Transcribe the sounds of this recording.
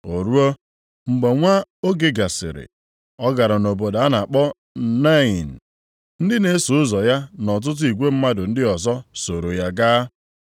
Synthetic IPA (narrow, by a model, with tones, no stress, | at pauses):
o˨ɾu˦o˦ | ŋ͡m̩˨ɡ͡be˨ŋʷa˦o˦ɡe˨ɡa˨sɪ̰˨ɾɪ̰˨ | ɔ˦ɡa˨ɾa˨no˨bo˨da˨a˦na˨a˨k͡pɔ˦ | na˦ɪ˨n̩˨ | n̩˦dɪ˦ne˨˦su˨ʊ˦zɔ˨ja˦nɔ˨t̬ʊ˦t̬ʊ˦i˨ɡʷe˦m̩˦ma˦dʊ˨n̩˦dɪ˦ɔ˨zɔ˦so˨ɾo˨ja˦ɡaː˦